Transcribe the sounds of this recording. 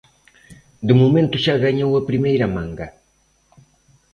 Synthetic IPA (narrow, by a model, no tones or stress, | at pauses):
d̪ɨmomẽnt̪uʃaɣaɲowapɾimejɾamãŋɡa